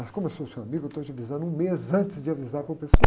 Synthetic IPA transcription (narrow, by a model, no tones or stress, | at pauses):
mɐskõmsosewamiɡʊt̪od͡ʒavizɐ̃nd̪ũmezɐ̃ntɪzd͡ʒɪavizaɾpoɾpesua